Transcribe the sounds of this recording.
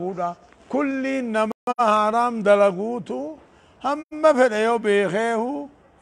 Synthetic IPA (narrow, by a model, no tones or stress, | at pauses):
uːᶑɐ | kʊlːiːnːɐmɐɐhaːɾaːmd̪ɐlɐɡuːt̪ʊ | hɐmːɐfɛᶑɛjɔbeːxeːhʊ